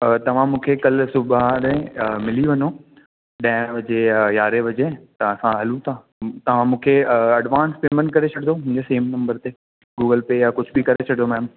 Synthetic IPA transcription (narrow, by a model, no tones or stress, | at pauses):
t̪ɐʋ̤ãmũːkʰekɐlsʊbaɾẽmɪliʋɐɲo | ɗãːɪʋɐd͡ʑejaːɾeʋɐd͡ʑet̪ɐʋ̤ãsãɦɐlũt̪ʰãː | t̪ɐʋ̤ãmũːkʰeɐɖʋãːnspeːmə̃n̚kɐɾet͡ɕʰɐɽɪ̃noʊ̃ɪ̃ɲd͡ʑeseːmnɐ̃mbəɾt̪e | ɡuːɡəlpejakʊd͡ʑʱbɪkɐɾet͡ɕʰɐɽɪ̃d̪omɛːm